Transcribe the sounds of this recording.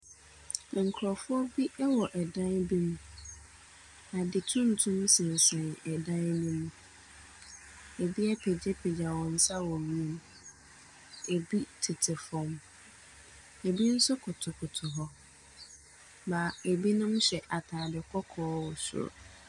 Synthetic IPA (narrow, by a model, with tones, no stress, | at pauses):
ŋ̩˨kʰɾɔ˨fʊ˦ɔ˦bi˦ʔɛ˦wɔ˨ʔɛ˨dã˦nbi˦mũ˦ | a˨dɪ˨tʰũ˦n̩˨tʰũ˦msɪ̃˨n̩˨sɛ̃˨nɛ˨dã˦nnĩ˦mũ˦ | e˨bi˦ɛ˦pʰɛ˨d͡ʑɛ˦pʰɛ˨d͡ʑa˨wɔ̃˨n̩˦sa˦wɔ˨ɥi˦m˦ | e˨bi˦tʰɪ˨tʰɪ˨fɔ̃˨m | e˨bi˦n̩˦sʊ˦kʰʊ˨tʰʊ˨kʰʊ˨tʰʊ˨ɦɔ˦ | ma˨e˨bi˦nʊ̃˦m˦ɕɛ˨ʔa˨tʰaː˨dɪ˨kʰɔ˦kʰɔː˦wɔ˨sʊ̰˨ɾ̰